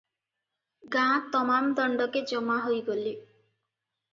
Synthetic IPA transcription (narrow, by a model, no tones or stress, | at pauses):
ɡãt̪ɔmamd̪ɔɳɖɔked͡ʒɔmaɦojɡoli